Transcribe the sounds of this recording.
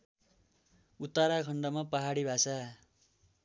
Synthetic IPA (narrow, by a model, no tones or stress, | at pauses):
ut̪ːaɾakʰʌɳɖʌmapaɦaɽibʱasa